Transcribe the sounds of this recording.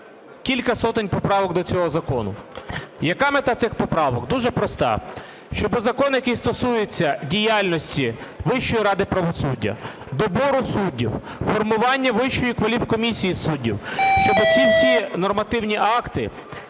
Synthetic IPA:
kʲilʲkɐsɔt̪ɪnʲpɔpɾɑʋɔɡd̪ɔt͡sʲɔɦɔzɐkɔnʊ̰jɐkɑmet̪ɑt̪sɪxpɔpɾɑʋɔɡd̪uʒɛpɾɔst̪ɑ̰ | ʃt͡ʃɔbʊzɐkɔnjɐkɪjst̪ɔsujet͡sʲːɐdʲijalʲnɔsʲtʲiʋɪʃt͡ʃːɔjiɾɑd̪ɪpɾɐʋɔsudʲːɐ̰ | d̪ɔbɔɾʊsudʲːḭw | fɔrmʊʋɑnʲːɐʋɪʃt͡ʃːɔjikʋɐlʲiwkɔmʲisʲijisudʲːḭwʃt͡ʃɔbɪt͡sʲiwsʲinɔrmɐt̪ɪwnʲiʔɑkt̪ɪ

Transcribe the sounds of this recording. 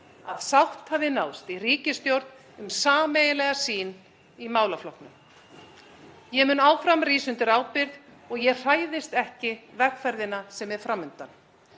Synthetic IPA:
aðsawht̪havðɪnaːwst̪iriːcɪst̪jowɾt̪n | ʏmsaːmejɪlɛɣasiːn | imaːwlaflɔhknʏ | jɛmʏːnaːwfɾamriːsʏnt̪ɪɾaːwpɪɾðɔɣjɛr̥aːjðɪst̪ɛhcɪvɛɾkfɛɾðɪnasɛmɛɾ̥fɾamːʏnt̪an

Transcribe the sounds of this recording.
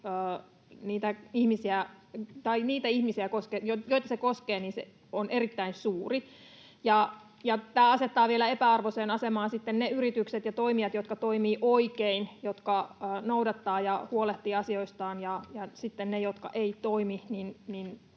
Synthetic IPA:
əː | niːt̪æihmisiæt̪ɑiniːt̪æihmisiækoskejojoit̪ɑsekoskeːniːnsḛ | onʔerit̪ːæinsuːri | jɑ | jɑt̪æːɑset̪ːɑːʋielæepæɑrʋoseːnɑsemɑːnsit̪ːenneyrit̪ykset̪jɑt̪oimijɑt̪jot̪kɑt̪oimiːʔoikeinjot̪kɑəːnoudɑt̪ːɑːjɑhuoleht̪ːiːɑsioist̪ɑːnjɑjɑsit̪ːennejot̪kɑ̰ʔeit̪oimininnin

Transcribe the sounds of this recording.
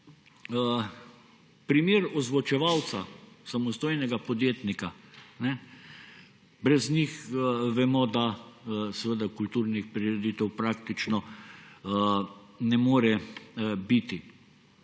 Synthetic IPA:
pɾimeːɾɔzʋɔt͡ʃɛʋawt̪sasamɔst̪oːjnɛɡapɔd̪jeːt̪nikanɛ | bɾɛznixʋɛmɔd̪asɛʋəd̪akult̪uːɾnixpɾiɾɛd̪iːt̪ɛwpɾaːkt̪it͡ʃnɔ | nɛmoːɾɛ | bit̪i

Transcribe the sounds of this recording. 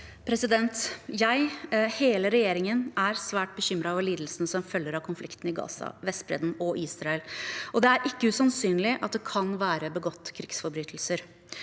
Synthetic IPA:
pʰɾɛsɪd̪ɛnt̪jæɪheːləɾɛjeːɾɪŋənæɾsʋæːʈ̚bəçʏmɾɑʋɛliːd̪l̩sənəsɔmfœlːəɾɑʋkʰʊnflɪkt̪n̩ɪɡɑ̰ːsɑ̰ʋɛst̪bɾɛ̰d̪n̩ɔʔiːsɾɑɛlʔɔd̪ɛæɾʔɪkːəʉsɑnsyːnlɪʔɑt̪̚d̪ɛkʰɑnʋæːɾəbəɡɔt̪ːkʰɾɪksfɔɾbɾyːt̪ʰəlsəɾ

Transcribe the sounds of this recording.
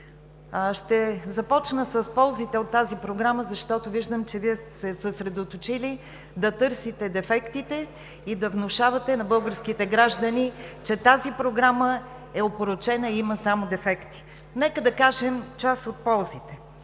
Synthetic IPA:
ʃt̪ɛzɐpɔt͡ʃnəsɐspɔlˠzit̪ɛot̪ːazipɾoɡɾaməzɐʃt̪ɔt̪oviʒd̪əmt͡ʃɛviɛst̪sɛsəsɾɛd̪ot̪ot͡ʃili | d̪ɐt̪ɤɾsit̪ɛd̪ɛfɛkt̪it̪ɛ | id̪ɐvnoʃavɐt̪ɛnɐbɤlˠɡəɾskit̪ɛɡɾaʒd̪ənit͡ʃɛt̪azipɾoɡɾamə | ɛopoɾot͡ʃɛnəiiməsamod̪ɛfɛkt̪i̥ | nɛkəd̪ɐkaʒɛmt͡ʃasot̪̚pɔlˠzit̪ɛ

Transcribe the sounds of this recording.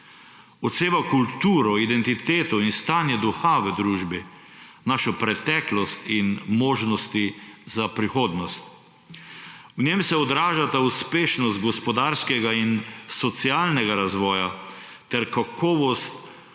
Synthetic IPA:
ɔt̪seːbakult̪uːɾɔid̪ɛnt̪it̪eːt̪ɔinst̪aːnjɛd̪uxaʋəd̪ɾuːʒbi | naʃɔpɾɛt̪ɛːklɔst̪inmoːʒnɔst̪izapɾixoːd̪nɔst̪ | wnʲemsɛɔd̪ɾaːʒat̪auspeːʃnɔst̪̚ɡɔspɔd̪aːɾskɛɡainsɔt̪siaːlnɛɡaɾazʋɔːja | t̪ɛɾkakʰɔːʋɔst̪

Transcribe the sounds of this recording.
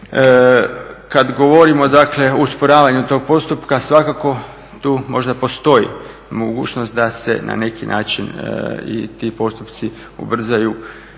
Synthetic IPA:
kad̪ɡoʋo̞ɾimo̞d̪akle̞ouspoɾaːʋaɲut̪o̞ːɡ̚po̞st̪upkasʋakako̞ | t̪uːmo̞ʒd̪apo̞st̪o̞jḭ | moɡuːt͡ʃnost̪̚d̪ase̞̰nʔa̰ne̞kinʔa̰ːt͡ʃinḭt̪ipo̞st̪upt̪si | ṵbr̩zaju

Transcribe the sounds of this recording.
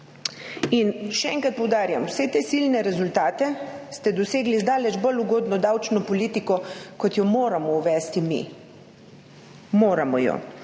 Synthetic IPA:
inʃɛɛŋkɾat̪̚pɔwd̪aːɾjamwsɛt̪esilnɛɾɛzult̪aːt̪ɛst̪ɛd̪ɔseːɡlizd̪aːlɛd͡ʒboluɡoːd̪nɔd̪awt͡ʃnɔpɔliːt̪ikɔkɔt̪jɔmoːɾamɔuʋɛːst̪imḭ | moːɾamɔ̰jɔ̰

